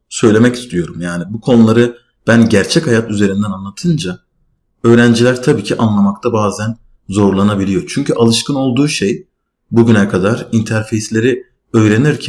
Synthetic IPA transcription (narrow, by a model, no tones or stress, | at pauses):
sø̞jlʲe̞mɛci̥st̪ʰijo̞ɾumjaːnibukʰo̞nulˠaɾɯ | b̥ænɟæɾt͡ʃʰɛchajat̪yze̞ɾind̪ænanlˠat̪ʰɯnd͡ʒa | ø̞jɾænd͡ʒilʲæɾt̪ʰabiːcʰiʔanlˠamak̚t̪ʰabaːzæn | zo̞ɾlˠanabilʲijo̞t͡ʃʰyɲcyʔalˠɯʃkɯno̞lˠd̪uːʃej | buɟynɛkʰad̪aɾint̪ʰæɾfe̞jslʲe̞ɾi | ø̞jɾe̞niɾcʰæ